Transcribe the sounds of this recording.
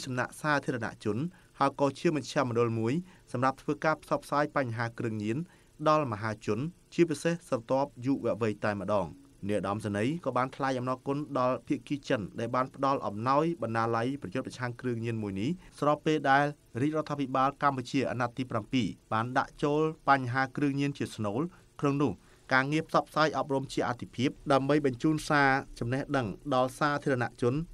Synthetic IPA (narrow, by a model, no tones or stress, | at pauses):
sɑmna̰ʔsaːt̪ʰiəɑɔna̰ʔt͡ɕʊ̆ən | haəjkɑːt͡ɕiəmɑɲ̚t͡ɕʰɛ̆əmɔ̆ɗʊ̆lmuəjsɑmrap̚t̪ʰʋəːkaːpʰsɑp̚ʰsaːjpaɲːɦaːkrɨəŋɲiən | ɗɑlməɦaːt͡ɕʊ̆ən | t͡ɕiəpisehsrɑt̪ŏəp̚juːʔʋɛ̆əʔʋɨjt̪aɛmə̆ɗɑːŋ | nɛəʔɗɑmsanəjkɑːɓaːnt̪ʰlaɛjʔɑmnaːkʊ̆ənɗɑlpʰiəʔkiːt͡ɕənɗaɛlɓaːnpə̆ɗɑlʔɑ̰mnaɔjɓɑnɗaːlajprɑjʊt̪prɑt͡ɕʰaŋkrɨəŋɲiənmuəjnihsrɑpːeːlɗaɛl | riːc̚rŏət̪ʰːaːpʰiɓaːlkamput͡ɕiəʔa̰ːnat̪ːiːprampiːɓaːnɗa̰ʔt͡ɕoːlpaɲɦaːkrɨəŋɲiənt͡ɕiəsnoːl | kʰnoŋnʊ̆əh | kaːŋiəpʰsɑpʰsaːjʔɑp̚rumt͡ɕiəʔat̪ʰːipʰiəp̚ɗaəmɓəjɓɑɲt͡ɕuːnsaːt͡ɕɑmnehɗəŋɗɑlsaːt̪ʰiəɑna̰ʔt͡ɕʊ̆ən